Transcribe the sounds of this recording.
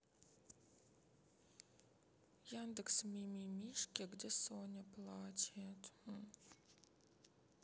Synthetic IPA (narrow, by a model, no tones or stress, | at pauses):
jand̪əksmʲimʲimʲiʂkʲɛɡdʲesonʲɛplˠat͡ɕʲːt̪